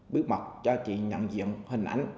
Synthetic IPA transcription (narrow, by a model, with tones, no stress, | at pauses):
ɓi˦˥ək̚ma˨˩k͡p̚t͡ɕɔ˧t͡ɕḭ˧˨ɲə̰˧˨nzḭ˧˨əŋhï˨˩ŋ̟ʔa˧˩jŋ̟